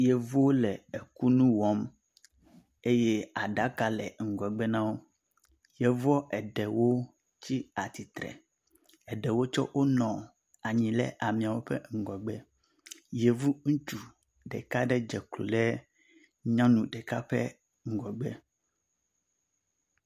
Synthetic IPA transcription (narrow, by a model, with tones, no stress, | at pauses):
jɛ˨vu˦wo˦lɛ˨e˨ku˦nũ˦wɔ˦m | e˦je˦a˨ɖa˨˦ka˨lɛ˨ŋ̩˨ɡɔ˨ɡ͡bɛ˦nã˦wo˦ | jɛ˨vɔ˦ʔɛ˨ɖɛ˨wo˦ | t͡ɕi˦a˨t̪i˨t̪ɾɛ̰˨ | ɛ˨ɖɛ˨wo˦t͡ʃɔ˦wʔo˦nɔ̃˨ | a˨ɲĩ˨lɛ̰˦ʔa˨mĩ˨a˨wo˦ɸɛ̰˦ŋ̩˨ɡɔ˨ɡ͡bɛ˦ | jɛ˨vu˦ŋũ˦t͡ʃu˨ | ɖɛ˨ka˦ɖɛ˦d͡ʒɛ˨klo̰˨lɛ˦ | ɲã˦nũ˨ɖɛ˨ka˦ɸɛ˦ | ŋ̩˨ɡɔ˨ɡ͡bɛ˦